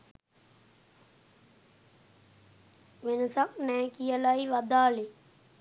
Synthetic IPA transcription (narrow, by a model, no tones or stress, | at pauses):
ʋenəsak̚nɛːkijəlaiʋad̪aːle